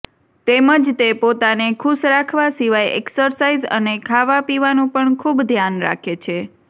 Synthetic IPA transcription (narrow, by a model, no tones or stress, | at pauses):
t̪eməd͡ʒt̪epot̪anekʰuʃɾakʰʋasiʋajḛksəɾsaizə̰nekʰaʋapiʋanũpəɳkʰubd̪ʱjanɾa̰kʰet͡ʃʰe